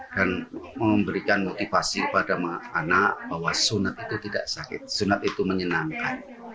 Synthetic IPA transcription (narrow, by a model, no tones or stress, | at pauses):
d̥anməmbəɾikanmot̪ifasipadamaanaʔbaɦwasunat̪̚it̪ut̪ida̰ʔsakɪ̰t̪̚sunat̪it̪uməɲənaŋkan